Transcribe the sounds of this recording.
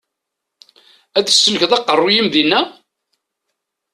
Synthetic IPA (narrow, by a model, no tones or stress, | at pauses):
æθə̥sːənəçðˤɑqːərˤːujimðinːæ